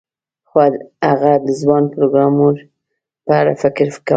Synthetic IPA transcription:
xwaaɣad̪əzwɑnpɾoɡɾɑmuɾ | pəaɾa̰fɪkɾfka

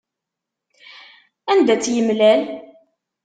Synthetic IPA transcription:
ænd̪æt͡sːjəmlæl

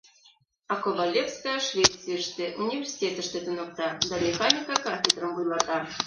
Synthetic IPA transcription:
ɑkobɑlʲefskajʃvʲet̪t͡sːɨjəʃt̪ĕʔunʲivʲersʲi̥tʲet̪ə̆ʃt̪ĕt̪unɤ̆k̚t̪ɑd̪ɑmʲexɑnʲikɑkɑfʲed̪rəmbujlˠɑt̪ɑ

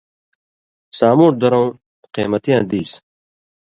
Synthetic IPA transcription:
saːmuːɾd̪ɐɾõũ | qeːmɐt̪ijãːd̪iːs

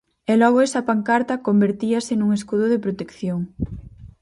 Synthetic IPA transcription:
ɛlɔɣʊesɐpaŋkaɾt̪ɐkombeɾt̪iɐsenuŋeskuðʊðepɾot̪ekθjoŋ

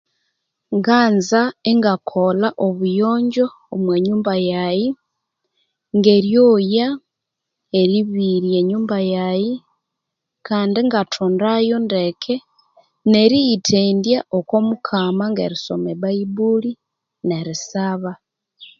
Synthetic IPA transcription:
ŋɡaːnzaeŋɡakʰo̞laʔoβujo̞ːɲɟo̞ːmwe̞ɲuːmbajaji | ŋɡe̞ɾjoja | eɾiβiɾjeɲuːmbajaji | kʰaːndiŋɡatʰoːndajo̞ndekʰe | ne̞ɾijitʰeːndjaʔoko̞mukʰamaŋɡe̞̰ɾiso̞̰meβaibuli | ne̞ɾisaβa

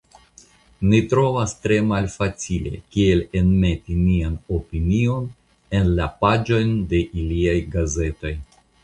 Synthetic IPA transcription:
nitɾo̞vastɾe̞malfat͡sile̞̰kie̞lenme̞tinianopinio̞n | e̞nlapad͡ʒo̞jnde̞ʔiliajɡaze̞to̞j

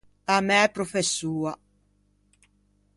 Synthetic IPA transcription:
amɛɛpɾofesːuːa

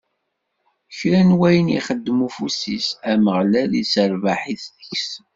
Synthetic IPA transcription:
çɾænwæjənḭχəd̪ːmufusisæməʁlælisəɾvaħiθðəçs

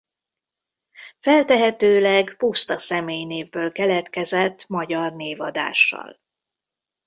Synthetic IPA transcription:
fɛlt̪ɛɦɛt̪øːlɛɡpust̪ɒsɛmeːjneːvbøːlkɛlɛt̪kɛzɛt̪ːmɒɟɒrneːvɒd̪a̰ːʃːɒ̰l

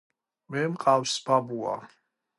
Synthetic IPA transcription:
mɛmqʼawsbabua̰

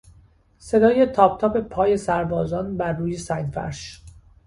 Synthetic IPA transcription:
se̞d̪ɒːje̞t̪ʰɒːpʰt̪ʰɒːpe̞pʰɒːje̞sæɾbɒːzɒːnbæɾːuːjesæjnfæ̰ɾʃ

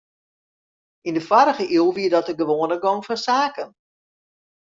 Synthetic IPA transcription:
indəfwaɾəɣəʔiəlˠʋiədɔtəɡəʋoːənəɡɔŋfɔnsaːkən

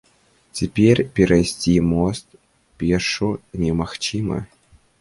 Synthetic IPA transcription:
tʲepʲerʲpʲeɾajsʲtʲimost̪̚ | pʲeʂunʲemaxt͡ɕimə̰

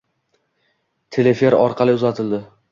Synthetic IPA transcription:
t̪ʰe̞lefe̞ɾɒɾqʰɑlˠɪʊzat̪ʰɪld̪ɪ

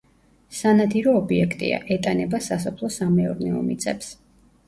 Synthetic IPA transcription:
sanad̪iɾɔːbiɛkʰt̪ʼḭa̰ʔɛt̪ʼanɛbasasɔpʰlˠɔsamɛɔɾnɛɔ̰mḭt̪sʼɛps

